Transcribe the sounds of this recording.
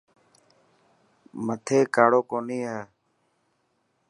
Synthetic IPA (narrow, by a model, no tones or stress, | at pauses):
mət̪ʰeːkaːɽoːkoːniːɦɛː